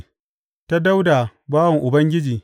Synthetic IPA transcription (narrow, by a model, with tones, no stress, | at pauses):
ta˦da˦wda˨baː˦wɐ˨ŋʔʊ˨bɐ˦ŋɡʲɪ˦d͡ʒiː˨